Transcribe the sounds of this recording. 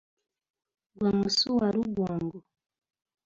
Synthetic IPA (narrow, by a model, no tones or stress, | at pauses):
ɡwamusuwaɾuɡwɔŋɡɔ